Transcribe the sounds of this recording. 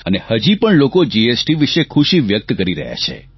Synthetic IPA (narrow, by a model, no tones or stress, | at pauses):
ənehəd͡ʒipəɳlokod͡ʒiesʈiʋiʃekʰuʃiʋjək̚t̪kəɾiɾə̰ɦja̰t͡ʃʰḛ